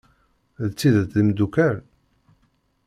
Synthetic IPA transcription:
ðt͡sːiðət͡s̪ðimd̪ukæɾ

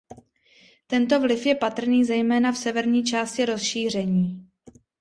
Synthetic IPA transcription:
t̪ɛnt̪o̞vlɪfjɛpat̪r̩niːzɛjmɛːnafsɛvɛɾɲiːt͡ʃaːscɪɾo̞sʃiːr̝ɛɲiː

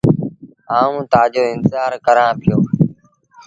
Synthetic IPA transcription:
aːũːt̪aːd͡ʒoːɪnt̪ɪzaːɾkəɾãːpɪjoː

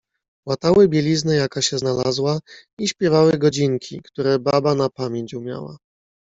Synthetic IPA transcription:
wat̪awɘbʲjɛlʲiznɛjakaɕɛznala̰zwaiɕpʲjɛvawɘɡɔd͡ʑiŋkʲʰḭkt̪uɾɛbabanapamʲjeɲt͡ɕumʲja̰wa̰

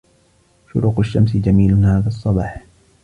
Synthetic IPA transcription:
ʃʊɾuːqaʃːamsɪd͡ʒamiːlʊhaːðasˤːɑbɑːħ

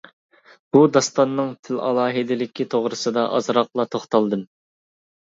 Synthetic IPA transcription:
b̥ud̪ɑst̪ɑnːɨŋt̪ʰɪlɑlˠɑːɦɨd̪ɪlɪkʲʰit̪ʰoʁɾɨsɨd̪ɑʔɑ̰zɾɑqlˠɑt̪ʰoχt̪ɑlˠd̪ɨm

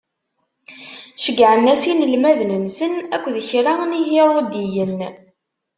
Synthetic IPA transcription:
ʃəɡʕənæsinəlmæðnənsənækʷːðəçɾanihiɾˤod̪ijən

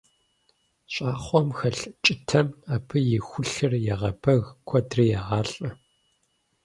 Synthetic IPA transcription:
ɕʼaːχʷɔmxɐɬt͡ʃʼɪtʰɐmaːpʰɨjɪxʷʊɬɨrjaʁɐbʰɐɣkʷʰɔdriːjaːʁɑːɬʼɐ

